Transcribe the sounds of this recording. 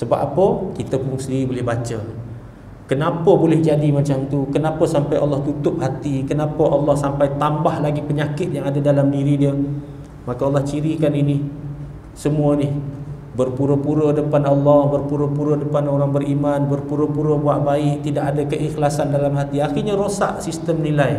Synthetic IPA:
səba̰ʔapəkit̪əpʊŋsəndiɾibolɪhbat͡ʃə | kənapəbolɪhd͡ʒadimat͡ʃamt̪ukənapəsampajʔɑ̰lːɑht̪ut̪ʊp̚hat̪ikənapəʔɑlːɑhsampajt̪ambahlaɡipəɲakɪt̪̚jaŋadadalamdiɾidiə | makəɑlːɑht͡ʃiɾikanini | səmuənih | bərpuɾəpuɾədəpanɑlːɑhbərpuɾəpuɾədəpanoɾaŋbərimanbərpuɾəpuɾəbuaʔbaɪʔ̚t̪idaʔadəkəʔixlasandalamɦat̪iaxirɲaɾosa̰ʔsist̪əmnilaj

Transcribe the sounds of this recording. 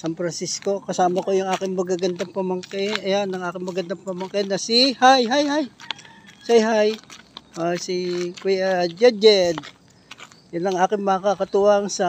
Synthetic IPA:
sanfɾɐnsisko̞kɐsaːmɐkojʊŋʔaːkɪŋmɐɡaɡɐnd̪aŋpɐmɐŋkɛɐjanɐŋaːkɪŋmɐɡɐnd̪aŋpɐmɐŋkanɐsihajɦajhaj | sajɦajʔosikwɛjad͡ʒɛd͡ʒɛd̪̚ | jʊnlɐŋaːkɪŋmɐkakɐt̪uʔaŋsɐ

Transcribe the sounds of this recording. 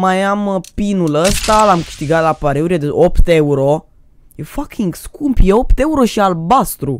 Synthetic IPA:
majampinuləst̪alamkɨ̥ʃt̪iɡat̪lapaɾeuɾied̪eʔopt̪e̞uɾo̞ | jefakʲʰiŋɡskumpjeo̞pt̪e̞uɾo̞ʃialbast̪ɾu

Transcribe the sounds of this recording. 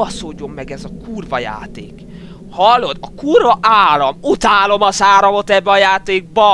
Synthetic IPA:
ɒsoːɟo̞mːɛɡɛzɒkuːrvɒja̰ːt̪eːk | hɒlːo̞d̪ɒkuːrvɒʔaːɾɒmut̪aːlo̞mɒzaːɾɒmo̞t̪ɛbːɛɒjaːt̪eːɡ̚bɒ

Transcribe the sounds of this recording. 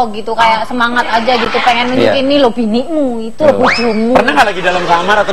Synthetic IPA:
ɔɡit̪ukajaʔsəmaŋat̪ad͡ʒaɡit̪upeŋɛnməɲukɪnːilob̥inɪʔmuit̪ulɔbud͡ʒʊŋmupərnaɦalaɡidalamkamaɾat̪a

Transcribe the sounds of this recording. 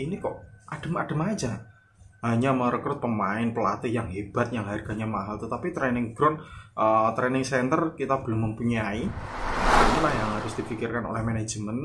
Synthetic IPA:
inikɔʔad̥ə̤mad̥ə̤mḁd͡ʒa | ɦaɲaməɾəkɾʊt̪̚pəmaɪnpəlat̪ijaŋɦeb̥a̤t̪̚jaŋlaɪrɡ̥a̤ɲamaɦalt̪ət̪apit̪ɾenɪŋɡ̥ɾʊnʔət̪ɾenɪŋsɛnt̪ərkit̪ab̥ə̤lʊmːəmpuɲai | inilahjaŋɦaɾʊsd̥i̤fikɪrkano̰lɛhmene̥d͡ʒmən

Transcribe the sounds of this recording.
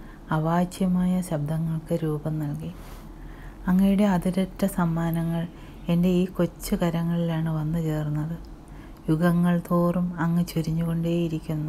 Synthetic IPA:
ɐʋaːt͡ɕjɐmaːjɐɕɐb̚d̪ʱɐŋːɐɭkɨɾuːbɐmnɐlki | ɐŋːɐjuɽe̞ɐðiɾɐtːɐsɐmːaːnɐŋːɐɭ | e̞nde̞iːko̞t͡ɕːɨkɐɾɐŋːɐɭilaːɳɨʋɐnːɨt͡ɕe̞ːrunːɐðɨ | juɡɐŋːɐɭt̪oːrumɐŋːɐt͡ɕuɾiɲːuɣo̞ɳɖeːjiɾikʲːunːu

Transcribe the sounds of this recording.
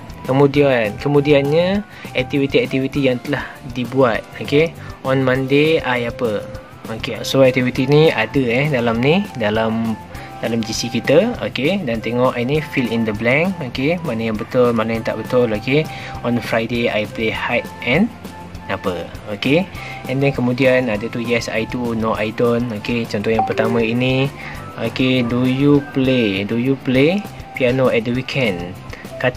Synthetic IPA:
kəmũdiankəmũdianɲə | ɛk̚t̪ivit̪iɛk̚t̪ivit̪ijaŋt̪əlahdibuat̪̚okeʔɔnmãndeajapə | okḛsoɛk̚t̪ivit̪iniadəɛdalamnidalam | dalamd͡ʒisikit̪əo̰kedant̪eŋɔʔinifilind̪əblɛŋokemanajaŋbət̪ʊlmanajãŋt̪a̰ʔbət̪ʊloke | ɔ̃nfɾajdea̰jplehajt̪̚ɛ̃n | apəokeɛ̃ndɛ̃nkəmudianadət̪ujɛsa̰jtunoʔajdonoket͡ʃɔ̃nt̪ɔjãŋpərt̪amə̃ini | o̰kedujupledujuplepianoɛt̪̚dəwikʰɛ̃n | ka

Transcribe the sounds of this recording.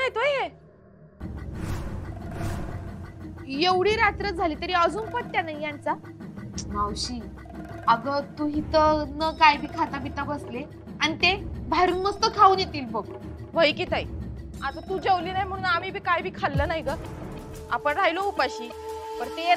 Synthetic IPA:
ajt̪oje | jeʋɽ̤iːɾat̪ɾəd͡zʱaliːt̪əɾiəd͡zuːnpət̪̚ːjanaijant͡sa | mawɕiː | aɡət̪uɦit̪ənəkajbʱiːkʰat̪abit̪abəsle | añit̪ebʱaɾuːnməst̪əkʰauːnjet̪iːlbəɡ | ʋəjkit̪aj | at̪at̪ud͡ʑewliːnajm̤əɽ̃unam̤iːbʱiːkajbʱiːkʰalːənajɡə | apəɳɾajloupaɕiː | pəɾt̪e

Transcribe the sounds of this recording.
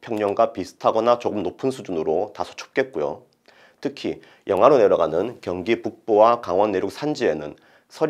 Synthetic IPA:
pʰjʌŋɲʌŋɡwapisʰɯ̥tʰaɡʌnat͡ɕoɡɯmnopʰɯnsʰud͡ʑunɯɾotasʰo̥t͡ɕʰo̥p̚k͈e̞t̚k͈ojo̰ | tʰɯkʰi | jʌŋɦaɾone̞ɾʌɡanɯnkjʌŋɡipuk̚p͈owakaŋwʌnːeɾjuk̚sʰand͡ʑie̞nɯn | sʰʌ

